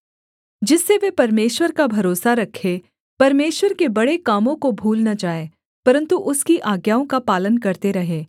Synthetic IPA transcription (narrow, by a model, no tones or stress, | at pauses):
d͡ʒɪsːeʋepɐɾmeːʃwəɾkabʱɐɾoːsaɾɐkʰːe | pɐɾmeːʃwəɾkebɐɽekaːmõkobʱuːlnad͡ʒaːe | pɐɾə̃nt̪uʔʊskiʔaːɡjaːõkapaːlənkɐɾt̪eɾɐɦeː